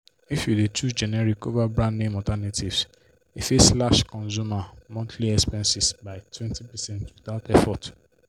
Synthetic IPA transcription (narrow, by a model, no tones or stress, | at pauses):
ifjudet͡ʃud͡ʒɛnɛɾikovabɹãndnẽmɔtanativs | efeslaʃkɔ̃nzumamɔ̃ntʰliɛkspɛ̃nsisbaɪtʰwɛ̃ntipɛsɛ̃ntwiθaʊtɛfɔt